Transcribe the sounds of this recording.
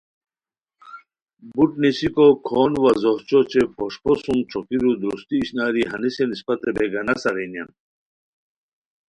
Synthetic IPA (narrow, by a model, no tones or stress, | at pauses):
buʈnisikokʰoːnʋɐzɔɦt͡ɕot͡ɕepoʂposumt͡ɕʰokiɾud̪ɾṵst̪iːɕnaːɾiɦɐnisenispɐt̪ebeɡɐnɐsɐɾijnja̰n